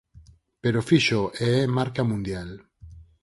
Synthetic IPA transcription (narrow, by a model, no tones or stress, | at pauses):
peɾofiʃoʔeemaɾkamũnd̪jal